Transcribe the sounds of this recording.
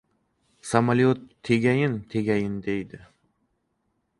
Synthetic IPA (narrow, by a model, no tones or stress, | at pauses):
samaliot̪ʰːeɡʲajɪnt̪ʰeɡʲajɪnd̪ejd̪ɪ